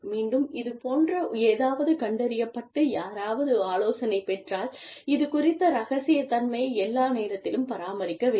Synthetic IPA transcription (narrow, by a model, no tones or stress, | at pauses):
miːɳɖɯmɪðɯpoːndrɐeːðaːʋɐðɯkɐɳɖɐɾɪjɐpːɐʈːɯjaːɾaːʋɐðɯaːloːsɐnɐɪpɛʈraːl | ɪðɯkʊrɪt̪ːɐɾɐɣɐsɪjɐt̪ːɐnmɐjɐɛlːaːneːɾɐt̪ːɪlɯmpɐɾaːmɐɾɪkːɐʋeː